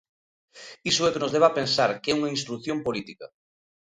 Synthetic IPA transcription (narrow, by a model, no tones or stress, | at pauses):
isoɛkenozðeβapẽnsaɾkeuŋains̬t̪ɾukθjompolit̪ika̰